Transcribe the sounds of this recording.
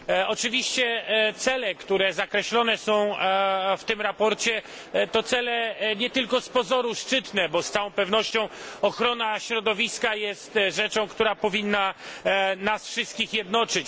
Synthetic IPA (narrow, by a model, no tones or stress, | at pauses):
ɔt͡ʂɘvʲiɕt͡ɕɛt̪sɛlɛkt̪uɾɛzakɾɛɕlɔnɛsɔ̃w̃ft̪ɘmɾapɔɾt͡ɕɛ | t̪ɔt̪sɛlɛɲɛt̪ɘlkɔspɔzɔɾuʂt͡ʂɘt̪nɛbɔst̪sawɔ̃w̃pɛvnɔɕt͡ɕɔ̃w̃ɔxɾɔnaɕɾɔd̪ɔvʲiskajɛst̪ʐɛt͡ʂɔ̃w̃kt̪uɾapɔvʲinːa | nasfʂɨst̪kʲixjɛd̪nɔt͡ʂɘt͡ɕ